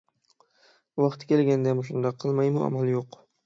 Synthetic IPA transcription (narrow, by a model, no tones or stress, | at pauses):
vɑqt̪ʰkʲʰelɡʲand̪amʊʃ̬ʊnd̪aqʰɨlˠmajmʊa̰malˠjoq